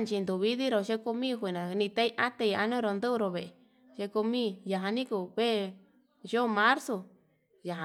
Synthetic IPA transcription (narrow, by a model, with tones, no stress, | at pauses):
nt͡ʃi˧nd̪u˨βi˦ði˦ɾo˧˨ʃe˦ko˧mĩː˦˧xʷi˨nã˨nĩ˧t̪a˧˦i˦ʔa˦t̪e˧i˧a˧nũ˦ɾo˧nd̪u˦˧ɾo˧βe˨e˨ | ʃe˧ko˧mĩ˦ja˨ɦã˧nĩ˦ku˧˨βe˦˧ | ʒo˦˨˧mã˦ɾso˧ | ja˨ɦa˨